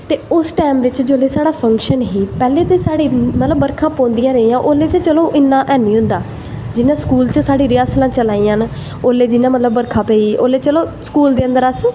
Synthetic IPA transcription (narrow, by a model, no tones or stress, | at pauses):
t̪eːʊsʈɛːmʋɪt͡ʃd͡ʒoːleːsaːɽaːpʰə̃ŋkʃənɦiːpɛːleːt̪eːsaːɽiːmət̪ləbːəɾkʰãːpõːnd̪ijãːɾəijãːʔoːleːt̪eːt͡ʃəlõːʔɪnːãːʔɛːnĩːɦʊ̃nd̪aː | d͡ʒɪnãːskuːlt͡ʃsaːɽiːɾɪjaːslãːt͡ʃəlaːiːaːn | oːleːd͡ʒɪnãːmət̪ləbːəɾkʰãːpeːiːo̰ːleːt͡ʃəlõːskuːld̪eːə̃nd̪əɾəs